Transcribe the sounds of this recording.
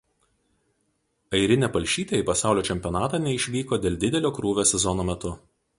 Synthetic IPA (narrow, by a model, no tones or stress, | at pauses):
ɐɪɾʲɪnʲɛpɐlʲˑʃʲiːt̪ʲeiɪpɐsɑˑʊlʲoːt͡ʃʲɛmʲpʲɔnɑːt̪ɑːnʲɛɪʃʲʋʲiːkoːd̪ʲeːlʲd̪ʲɪd̪ʲɛlʲoːkɾuːʋʲoːsʲɛzɔnoːmʲɛt̪ʊ